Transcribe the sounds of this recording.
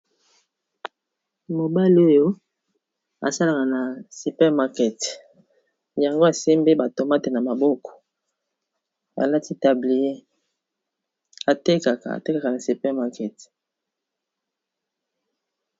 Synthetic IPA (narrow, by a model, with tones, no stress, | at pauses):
mo˨ba˦li˦o˦jo˦ | a̰˨sa˦la˨ka˨na˨su˨pɛ˦ʁma˦kɛ˨t | ja˨ŋɡo˦a˨se˦mbe˦ba˨to˨ma˦te˨na˨ma˨bɔ˦kɔ̥˨ | a̰˨la˦ti˦ta˨bli˨je˦ | a˨te˦ka˨ka̰˨a̰˨te˦ka˨ka˨na˨su˨pɛ˦ʁma˦kɛ˨t